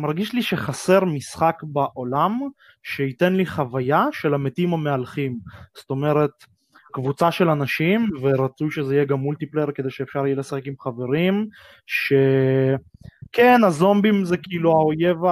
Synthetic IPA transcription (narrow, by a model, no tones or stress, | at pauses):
maʁɡiʃliʃeχase̞ʁmisχakbaʔolam | ʃeit̪e̞nliχavajaʃe̞lamet̪imamealχimst̪o̞me̞ʁe̞t̪ | kvut͡saʃelanaʃimveʁat͡sujʃezeijeɡamːult̪ipleʁked̪ejʃeːfʃaʁijelesaχekimχave̞ʁim | ʃe̞ | kenazo̞mbimzekiiluaojeva